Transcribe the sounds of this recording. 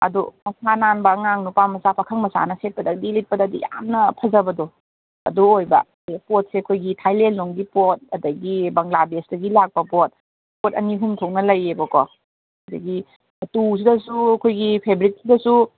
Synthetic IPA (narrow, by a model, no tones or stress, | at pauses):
ɐ̰dṵmɐsananbɐːŋaŋnupamɐsapʰakʰɐŋmɐsa̰nɐset̚pɐdɐdilit̚pɐdadḭja̰mnɐpʰɐzɐbɐdo | ɐ̰duojbɐ̰ | pot̚seɐkʰojɡitʰajlenloŋɡipot̚ɐdɐɡibɐŋlabesdɐɡilak̚pɐpot̚ | pot̚ɐ̰niɦumtʰoŋnɐlɐjebɐkɔ | adɐɡi | ɐtus̬idɐsuɐkʰojɡipʰebɾit̚sidɐsu